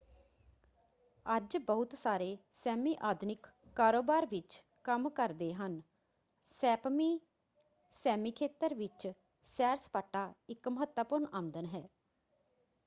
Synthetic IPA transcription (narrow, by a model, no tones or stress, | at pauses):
əd͡ʒbəʊt̪saːɾeːsɛːmiːʔaːd̪ʱnɪkːaːɾoːbaːɾʋɪt͡ʃ | kəmkəɾd̪eːɦən | sɛːpmiː | sɛːmiːkʰeːt̪əɾʋɪt͡ʃ | sɛːɾspaːʈːaːɪkməɦət̪wəpʊɾɳaːmd̪ənɦɛː